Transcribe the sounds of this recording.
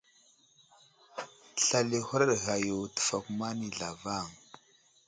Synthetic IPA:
ɬa˦li˦hu˦ɾa˦ɾɣa˨jo˨tə̥˨fa˨ku˦ma˦ni˨ɮa˨va˦˨ŋ

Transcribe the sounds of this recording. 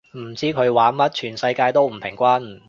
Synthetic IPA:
m̩˨˩t͡siː˥kʰɵ˨˧ɥwaː˨˥nmɐ˥t̚t͡ʃʰyː˨˩nsɐ˧jkaː˧jt̪o˥wm̩˨˩pʰɪ˨˩ŋkʷaː˥n˨

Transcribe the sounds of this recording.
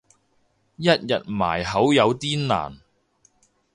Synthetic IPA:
jɐ˥t̚jɐ˨t̚ma̰ː˨˩jɦɐ˨˥wjɐ˨˧wt̪iː˥nna̰ː˨˩n

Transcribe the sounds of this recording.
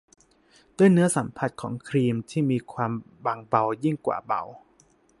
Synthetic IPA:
d̪u˥˩ənɯ˦˥ɐsa˨˩˦mpʰa˨˩t̪̚kʰɔ̰ː˩˦ŋkʰɾiː˧mt̪ʰiː˥˩miː˧kʰwaː˧m | ba˧ŋba˧wji˥˩ŋkwa̰ː˨˩ba̰˨˧˩w

